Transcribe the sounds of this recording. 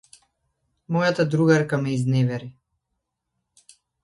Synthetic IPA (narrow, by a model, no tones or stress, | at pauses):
mɔjat̪ad̪ɾuɣaɾkamɛiznɛvɛɾi